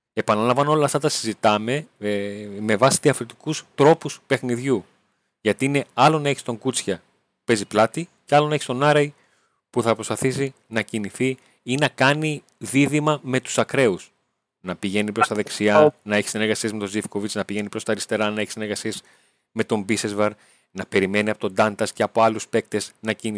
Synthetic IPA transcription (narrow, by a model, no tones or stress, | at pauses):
e̞pɐnɐlɐmvɐnoo̞lɐft̪ɐt̪ɐsizit̪ɐme̞ | me̞vɐsi̥t̪iɐfɾit̪i̥kust̪ɾo̞puspe̞xniðʝu | ʝɐt̪iine̞ɐlo̞nɐe̞çist̪o̞ŋɡut͡sçɐ | pe̞ziplɐt̪iceɐlo̞nɐe̞çist̪o̞nɐɾɐi | puθɐpɾospɐθisi | nɐciniθi | inɐkɐni | ðiðimɐme̞t̪u̥sɐkɾe̞us | nɐpiʝe̞nipɾo̞st̪ɐðe̞ksiɐnɐeçi̥sineɾɣɐsie̞zme̞t̪o̞zifko̞vit͡snɐpiʝe̞nipɾo̞st̪ɐɾist̪e̞ɾɐnɐeçi̥sine̞ɾɣɐsiez | me̞t̪o̞mbisezvɐɾ | nɐpe̞ɾime̞niɐpot̪o̞nd̪ɐnt̪ɐsceɐpo̞ɐluspe̞k̚t̪e̞znɐcini